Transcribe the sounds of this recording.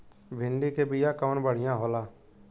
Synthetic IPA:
bʱɪɳɖiːkeːbɪjaːkəʋənbəɽ̤ɪjãːɦoːlaː

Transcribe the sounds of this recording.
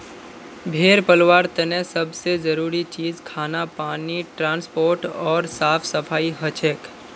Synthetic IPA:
bʱeːɾpəlwaːɾt̪ənɛ̃sɐbsezəɾuːɾit͡ʃiːzkʰaːnapaːniʈɾãːnspoːɾʈɔːɾsaːpʰsɐpʰaːiɦət͡ʃʰek

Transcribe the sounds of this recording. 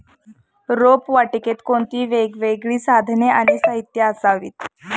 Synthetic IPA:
ɾopʋaʈiket̪koɳt̪iːʋeɡʋeɡɭiːsad̪ʱneaniːsaɦit̪jaəsaʋḭːt̪

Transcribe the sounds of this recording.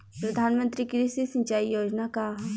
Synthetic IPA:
pɾɐd̪ʱaːnmə̃nt̪ɾikɾisisɐ̃ɲt͡ʃaːijoːd͡ʒnaka

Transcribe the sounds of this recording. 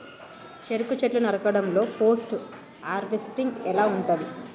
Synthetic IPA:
t͡ʃeɾukut͡ʃeʈlunɐɾɐkɐɽɐmlo̞ːpo̞ːsʈ | aːɾbesʈiŋɡɛlaːuɳʈɐd̪i

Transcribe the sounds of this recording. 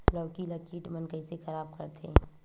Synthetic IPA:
lɐʋʈilɐkiːʈmənkəisexɐɾaːb̚kɐɾt̪ḛː

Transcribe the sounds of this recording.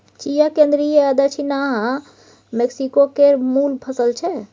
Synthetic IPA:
t͡ʃijakẽnd̪ɾijeəd̪ət͡ʃʰinaɦã | meksikokeɾmulpʰəsəlt͡ʃʰɛ

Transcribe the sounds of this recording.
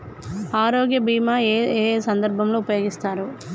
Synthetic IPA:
aːɾoːɡjɐbiːmaːeːsɐnd̪ɐɾbʱɐmloːupɐjo̞ːɡist̪aːɾu

